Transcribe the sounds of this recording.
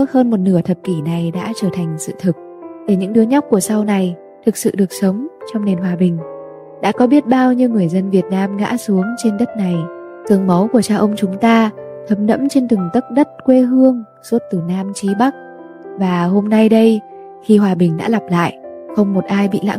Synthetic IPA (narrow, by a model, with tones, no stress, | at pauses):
t̚həː˧nmo˨˩t̚nɨ˧˩ət̪ʰə˨˩p̚ki˧˩na˨˩jɗa̰ː˧˥t͡ɕəː˧˩t̪ʰa˨˩jŋ̟sɨ̰˧˨t̪ʰɨ˨˩k̚ | ɗe˧˩ɲɨ̰˧˥ŋɗɨ˨˦əɲa˦˥k͡p̚ku˧˩əsa˧wna˨˩j | t̪ʰɨ˨˩k̚sɨ̰˧˨ɗɨ˨˩ək̚sə˨˦wŋ͡mt͡ɕɔ˧wŋ͡mne˨˩nɦwaː˨˩ɓï˨˩ŋ̟ | ɗa̰ː˧˥kɔ˨˦ɓi˦˥ət̚ɓaː˧wɲɨ˧wŋɨ˨˩əjzə˧nvi˨˩ət̚naː˧mɣa̰ː˧˥su˨˦əŋt͡ɕe˧nɗə˦˥t̚na˨˩j | t̪ɨ˨˩əŋmə˨˦wku˧˩ət͡ɕaː˧wʔə˧wŋ͡mt͡ɕʊ˨˦ŋ͡mt̪aː˧t̪ʰə˨˦mnə̰˧˥mt͡ɕe˧nt̪ɨ˨˩ŋt̪ə˦˥t̚ɗə˦˥t̚kwe˧ɦɨ˧əŋ | su˦˥ət̚t̪ɨ˧˩naː˧mt͡ɕi˨˦ɓa˦˥k̚ | vaː˨˩ho˧mna˧jɗə˧j | xi˧hwaː˨˩ɓï˨˩ŋ̟ɗa̰ː˧˥la˨˩p̚la̰ː˧˨jʔxə˧wŋ͡mmo˨˩t̚ʔaː˧jɓḭ˧˨la̰ː˧˥